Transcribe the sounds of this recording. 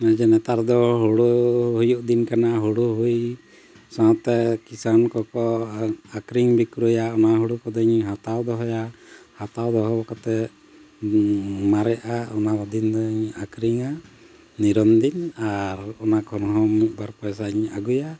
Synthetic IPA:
ad͡ʒɛnɛt̪aɾd̪ɔɦuɽuɦujuʔ̚d̪inkanaɦuɽuɦuj | sãt̪ɛkisankɔkɔakɾiŋbikɾujaɔnaɦuɽukɔd̪ɔɲɦat̪awd̪ɔɦɔjahat̪awd̪ɔɦɔbɔkɔt̪ɛ | maɾɛʔaɔnaɔd̪ind̪ɔɲakɾiŋa | niɾɔnd̪inaɾɔnakʰɔnɦɔmibaɾpɔjsaɲaɡuja

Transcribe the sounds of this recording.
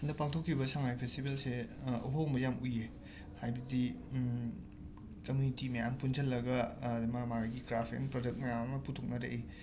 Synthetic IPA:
ndɐpaŋtʰokʰːibɐsaŋajpʰestibelseɐɦoŋbɐjamuje | hajbɐdi | tɐmitimɐjampunzɐlːɐɡɐmɐmaɾaɡikɾapʰḛnpɾod͡ʒek̚t̚mɐjamnɐputʰok̚nɐɾḛʔi

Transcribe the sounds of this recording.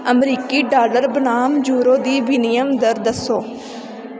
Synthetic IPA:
əmɾiːkiːɖaːləɾbənaːmd͡ʒuːɾoːd̪iːbinijəmd̪əɾd̪əsoː

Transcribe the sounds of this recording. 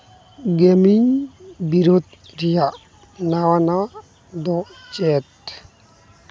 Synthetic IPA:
ɡemiɲbiɾod̪ | ɾijaʔ | nawana | d̪ɔt͡ʃɛt̪

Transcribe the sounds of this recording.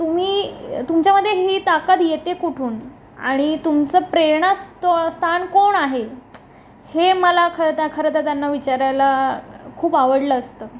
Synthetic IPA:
t̪um̤iːt̪umt͡ɕjaməd̪ʱːjeɦiːt̪akat̪jet̪ekuʈʰuːn | a̰ɽ̃it̪umt͡səːpɾeɳast̪ost̪ʰankoɳaɦe | heməlakʰəɾət̪akʰəɾət̪at̪janːaʋit͡ɕaɾajlakʰuːpaʋəɽləːst̪əː

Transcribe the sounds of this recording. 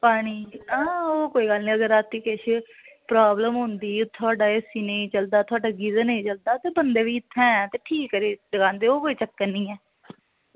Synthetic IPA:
paːɽ̃iːãoːkoːiːɡəlniːəɡəɾaːt̪ːiːkɛʃe | pɾaːbləmɦʊ̃nd̪iːt̪ʰːʊaːɖaːesiːneit͡ʃəld̪aːt̪ʰʊaːɖaːɡizəneiːt͡ʃəld̪aːt̪eːbənd̪eːʋiːɪt̪ʰːɛ̃ːɛːt̪eːʈʰiːkːəɾiːɖəɡãːnd̪eːoːkoːiːt͡ʃəkːənːĩːɛː

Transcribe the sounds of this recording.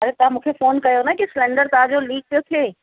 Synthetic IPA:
ɐɾet̪amʊkʰefoːnkɐjonakislɛ̃ːɳɖəɾt̪aːd͡ʒoliːk̚t̪oːt̪ʰeː

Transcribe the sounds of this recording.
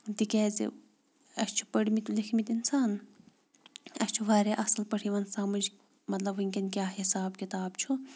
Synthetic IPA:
d̪ikɛːzḭ | ɐst͡ʃʰu̥pɐɽmit̪ulikʰmit̪insaːn | ɐst͡ʃʰuʋaːɾeʔɐslpɐʈʰiʋɐnsaːmɐd͡ʒ | mɐt̪lɐbɦɨŋʲkʲɐnkʲjaːɦisaːb̚kit̪aːb̚t͡ʃʰu

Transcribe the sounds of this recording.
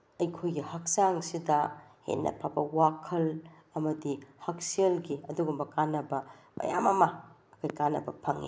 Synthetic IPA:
ɐjkʰojɡihɐk̚saŋsidɐhḛnːʔɐ̰pʰabɐwakʰɐl | ɐmɐdihɐk̚sielɡiɐduɡumbɐkanːɐbɐmʔɐ̰ja̰mɐma | ɐkajkanːɐbɐpʰɐŋḭ

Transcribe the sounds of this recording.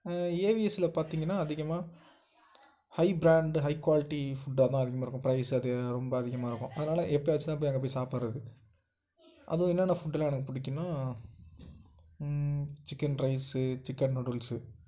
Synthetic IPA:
eːʋiɛsɪlɐpaːɾt̪iːŋɡɐnːaːɐðɪɣɐmaː | hɐɪbɾaːɳɖɦɐɪkːwaːlɪʈːifʊɖːat̪ãːɐðɪɣɐmaːɪɾkːʊ̃pɪɾɐɪsɯɐðɯɾɔmbɐːðɪɣɐmaːɪɾɯkːʊ̰̃ʔɐðɯnaːlɐʔɛpːɐjʋɐt͡ʃːɯt̪ãːp̬ːoːjɛŋɡɐpoːjsaːpɐɾɐðɯ | ʔɐ̰ðɯʋ̃ɛnːɛːnɐfʊɖːlãɛnɐkːɯpʊɽɪkːɯnãː | t͡ʃɪkːɐnɾɐɪsɯt͡ʃɪkːɐnnɔɽʊlsɯ

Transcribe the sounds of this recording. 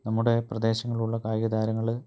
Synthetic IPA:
nɐmːuɽe̞prɐd̪e̞ːɕɐŋːɐɭuɭːɐkaːjɣɐd̪aːɾɐŋːɐɭ

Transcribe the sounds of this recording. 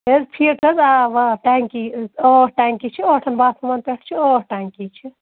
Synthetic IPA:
ezpʰiːɾkʰɐzaʋaʈaŋkioʈaːŋkit͡ʃʰioːʈʰɐnbaːsɐmaːnpeʈʰt͡ʃʰioːʈaːŋkit͡ʃʰi

